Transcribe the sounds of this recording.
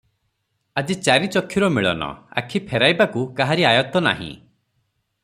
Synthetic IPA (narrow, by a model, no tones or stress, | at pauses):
ad͡ʒit͡ʃaɾit͡ʃɔkʰːiɾɔmiɭɔnɔ̰a̰kʰipʰɛɾajbakukaɦaɾiajɔt̪ɔna̰ɦḭ̃